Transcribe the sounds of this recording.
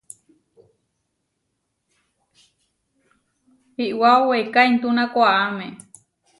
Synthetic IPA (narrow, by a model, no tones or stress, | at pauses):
hiʔwaowekaint̪unãkʷaʔamẽ